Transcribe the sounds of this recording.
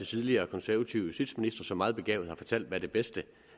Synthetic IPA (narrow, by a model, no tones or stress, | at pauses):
et͡sʰið̞ˠliɐːkʰɒ̽nsæɐæt͡sʰiʊəsyd̥sminisd̥ʁɐsɒ̽mɑːð̞̩ˠb̥e̝ɡ̥ɛ̰ʊð̩ˠhɑ̈fɒ̽t͡sʰæl̰d̥ʋæɾ̥e̝b̥esd̥ə